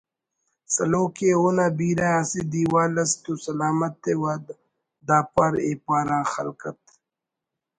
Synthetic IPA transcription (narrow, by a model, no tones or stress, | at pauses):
sɐloːkeonaːbiːɾaɐsid̪iːwaːlɐst̪usɐlaːmɐt̪ːewad̪ | d̪aːpaɾeːpaːɾãːxɐ̰lkɐt̪̚